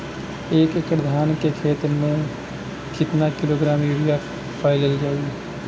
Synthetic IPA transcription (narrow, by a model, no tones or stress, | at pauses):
eːkekɾəd̪ʱaːnkekʰeːt̪ɾmẽ | kɪt̪nakɪloːɡɾaːmjuːɾija | pʰaːɪləld͡ʒaːɡ